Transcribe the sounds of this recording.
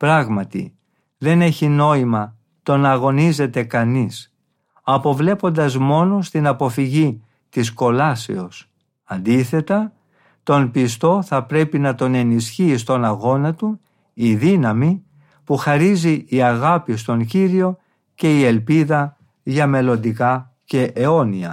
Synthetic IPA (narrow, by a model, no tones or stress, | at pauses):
pɾɐɣmɐt̪ḭ | ðe̞ne̞çino̞imɐ | t̪o̞nɐɣo̞nize̞t̪e̞kɐnis | ɐpo̞vle̞po̞nd̪ɐzmo̞no̞st̪inɐpo̞fiʝi | t̪isko̞lɐse̞̰o̞s | ɐnd̪iθe̞t̪ɐ | t̪o̞npist̪o̞θɐpɾe̞pinɐt̪o̞ne̞nisçiːst̪o̞nɐɣo̞nɐt̪u | iðinɐmi | puxɐɾiziːɐɣɐpis̬t̪o̞ɲciɾio̞ | ce̞ie̞lpiðɐ | ʝɐme̞lo̞nd̪ikɐ | ce̞ʔeo̞niɐ̰